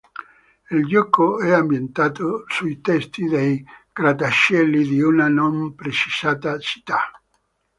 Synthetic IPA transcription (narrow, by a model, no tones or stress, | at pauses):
ild͡ʒɔkːoɛambjent̪aːt̪osuit̪ɛst̪id̪ejɡ̥ɾad̪aʃɛlːid̪iunanompɾet͡ʃisaːt̪at͡ʃi̥t̪ːa